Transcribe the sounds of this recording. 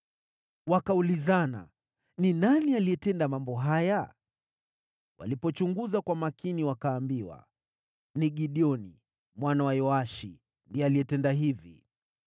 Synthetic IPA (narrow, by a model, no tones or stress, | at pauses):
wakaulizana̰ | ninanialiɛtɛndamambɔɦaja | wʔa̰lipɔt͡ʃuŋɡuzakwamakiniwakaːmbiwa̰ | niɠiɗiɔnḭ | mwanawajɔaʃḭ | ndiɔaliɛtɛndaɦivḭ